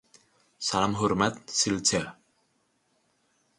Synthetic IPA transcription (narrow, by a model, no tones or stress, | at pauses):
salamɦuɾmat̪̚silt͡sʰɛ